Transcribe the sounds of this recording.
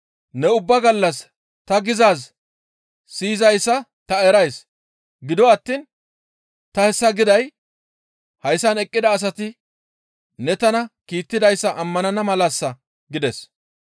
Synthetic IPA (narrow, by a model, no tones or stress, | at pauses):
nɛʊbːɐɡɐlːɐs | t̪ɐɡɪzaːs | siːzɐjsːɐt̪ɐɛɾɐjs | ɡɪd̪ɔɐt̪ːiːn | t̪ɐhɛsːɐɡɪd̪ɐj | hɐjsːɐnɛkʼːɪd̪ɐːs̬ɐt̪ɪ | nɛt̪ɐnɐkiːt̪ːɪd̪ɐjsːɐʔɐmːɐnɐnɐmɐlasːɐ | ɡɪd̪ɛs